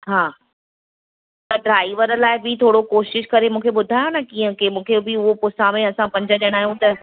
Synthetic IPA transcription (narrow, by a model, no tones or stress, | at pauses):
ɦaː | t̪ɐɖɾaːɪʋəɾəlaːɪbɪt̪ʰoːɽokoːʃɪʃkɐɾemũːkʰeɓʊd̪ʱaːjonɐkiːə̃kemũːkʰebɪʊɦopʊsãmẽɐsãpɐ̃ɲd͡ʑəɗɐɽ̃aːɦijũt̪ɐ